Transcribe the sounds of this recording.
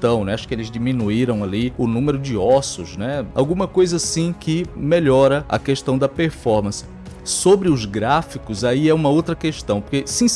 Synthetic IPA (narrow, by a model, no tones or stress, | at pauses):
t̪ɐ̃w̃nɛaʃʊ̥kɪelɪzd͡ʒimĩnuiɾɐ̃w̃aliʊnũmeɾʊd͡ʒɪɔsʊznɛa̰wɡũmɐkojzɐsĩkɪmeʎɔɾɐɐ̰keʃt̪ɐ̃w̃d̪ɐpeɾfɔɾmɐ̃sɪ̥ | sobɾɪʊzɡɾafikʊzaiɛũmɐowt̪ɾɐkeʃt̪ɐ̃w̃poɾkesĩ